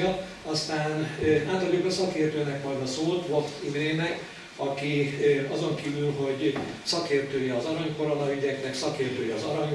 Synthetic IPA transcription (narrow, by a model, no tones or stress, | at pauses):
ɒ | ɒst̪aːnaːt̪ɒlybɛsɒkeːrt̪øːnɛkmɒjd̪ɒsoːlt̪ʋoft̪imɾeːnɛk | ɒkiɒzo̞ŋkivylɦo̞ɟsɒkeːrt̪øːjɛɒzɒɾɒɲkoɾolɒyɟɛknɛksɒkeːrt̪øːjɛɒzɒɾɒɲ